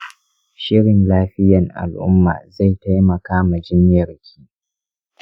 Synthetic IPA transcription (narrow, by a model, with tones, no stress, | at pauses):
ʃɪ˦ɽɪ˨nlaː˦ɸɪ˦jɐ˨ŋʔa̰˨lʔʊ̰˦mːa̰ː˨za˦˨jta˦jmɐ˨kaː˦ma˨d͡ʒɪ˦mjɐ˨rkʲʰiː˦